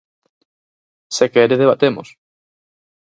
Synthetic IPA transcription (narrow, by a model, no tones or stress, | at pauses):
sekɛɾeðeβat̪emo̰s